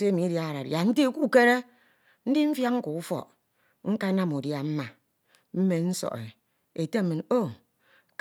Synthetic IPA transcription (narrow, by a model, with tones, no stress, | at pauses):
e˦mi˨˦dja˦a˨ɾa˨ɾja˨n̩˦ti˦˨ku˦˨ke˦ɾe˦ | n̩˦di˦m̩˦fja˦kŋ̩˦ku˨u˦fɔ̰˨ | ŋ̩˦ka˦na˦mu˨dja˨m̩˦ma˨ | m̩˦me˨n̩˦sɔ̰˨ʔḛ˨ | e˨te˦˨mɨ˨no˦ | k